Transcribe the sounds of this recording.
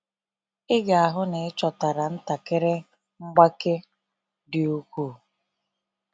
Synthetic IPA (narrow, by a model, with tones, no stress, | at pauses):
ɪ˦ɡa˨a˨ɦʊ˦ne˨ɪ˦t͡ʃɔ˨ta˨ɾa˨n̩˦ta˨ke˦ɾe˦ | ŋ͡m̩˦ɡ͡ba˦ke˦ | dɪ˨u˦kʷu˦˨